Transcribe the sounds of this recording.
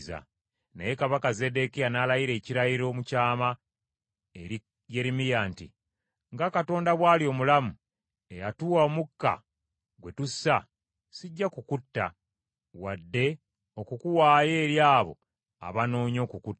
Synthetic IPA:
za̰ | nḛjekaβakaze̞de̞kijanalajiɾe̞ːciɾajiɾo̞ːmucaːma | e | je̞ɾimijaːntḭ | ŋɡakato̞ːndaβwaːlio̞mulamu | e̞jatuwaomukːa̰ | ɡwe̞tusa | siɟːakukutːa̰ | wadːe̞ | o̞kukuwaːje̞ːɾjaːβo̞̰ | a̰βano̞ːɲo̞ːkukutː

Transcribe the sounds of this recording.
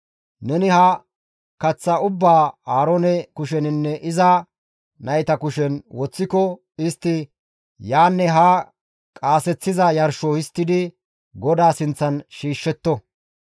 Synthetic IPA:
nɛnɪhɐ | kɐt͡sːɐʊbːaːaːɾɔːnɛkʊʃɛnɪnːɛʔɪzɐ | nɐjt̪ɐkʊʃɛnwɔt͡sːɪkɔ | ɪst̪ːɪ | jaːnːɛɦa | kʼaːsɛt͡sːɪzɐjɐɾʃoɪst̪ːɪd̪ɪ | ɡɔd̪aːsɪnt͡sːɐnʃiːʃːɛt̪ːɔ

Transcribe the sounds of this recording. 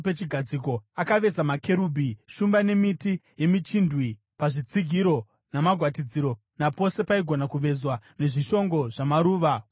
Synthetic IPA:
pet͡ʃiɡʱad͡ziko̞akaʋe̞samake̞ɾuːbʱiʃumbane̞mitije̞mit͡ʃindwi | paʐit͡siɡʱiɾo̞ | namaɡʱwatid͡ziɾo̞ | napo̞se̞paiɡʱo̞nakuʋe̞zwane̞ʐiʃo̞ŋɡo̞ʐamaɾuːʋa

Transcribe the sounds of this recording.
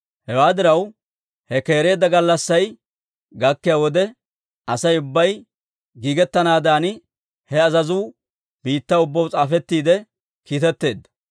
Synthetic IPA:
hɛwaːd̪ɪɾɐw | hɛke̞ːɾe̞ːd̪ːɐɡɐlːɐsːɐj | ɡɐkːɪjaːwɔd̪ɛ | ɐsɐjʊbːɐj | ɡiːɡɛt̪ːɐnaːd̪aːnɪ | hɛɐzɐzuː | biːt̪ːaːʊbːɐwt͡sʼaːfɛt̪ːiːd̪ɛ | kiːt̪ɛt̪ːe̞ːd̪ːɐ̥

